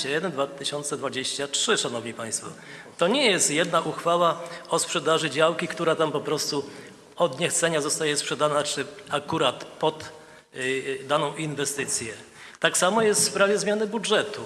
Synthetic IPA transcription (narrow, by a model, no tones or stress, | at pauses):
ajɛd̪ɛnd̪vat̪ɘɕɔnt̪sɛd̪vad͡ʑeɕt͡ɕatʂɘʂanɔvɲipaj̃st̪fɔ̰ | t̪ɔɲɛjɛst̪jɛd̪naʔuxfawaɔspʂɛd̪aʐɘd͡ʑawkʲikt̪uɾat̪ampɔpɾɔst̪u | ɔd̪ɲɛxt̪sɛɲazɔst̪ajɛspʂɛd̪anat͡ʂɘakuɾat̪pɔd̪ | d̪anɔ̃w̃ʔinvɛst̪ɘt̪sʲjɛ | t̪aksamɔjɛst̪fpɾavʲjɛzmʲjanɘbudʐɛt̪u